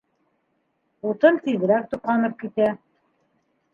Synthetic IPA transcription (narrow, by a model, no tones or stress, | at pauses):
ut̪ɤnt̪iðɘ̆ɾæk̚t̪uqɑnɤp̚kit̪æ